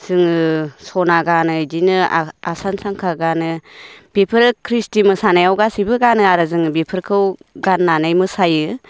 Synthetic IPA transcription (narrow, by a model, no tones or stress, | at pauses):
sɯŋɯsɔnaɡanɯd͡ʒinɯasansaŋkʰaɡanɯb̥ipʰɯɾkʰɾistimɯsanajawɡasibɯɡanɯaɾɯzɯŋbipʰɯɾkʰɯwɡanːanajmɯsajɯ